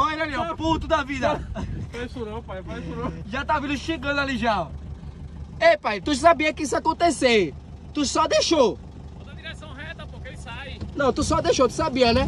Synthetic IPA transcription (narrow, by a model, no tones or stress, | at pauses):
oɾẽniɐ̃put̪ud̪ɐvid̪ɐesuɾɐ̃w̃pajpajsuɾɐ̃ʒat̪avĩlʊʃeɡɐ̃d̪ʊaliʒaw | epajt̪uʒsabiɐkɪisʊakõnt̪ese | t̪usɔd̪eʃo | oɐd̪iɾesɐ̃w̃hɛt̪ɐpokẽsajnɐ̃w̃t̪usɔd̪eʃot̪usabiɐnɛ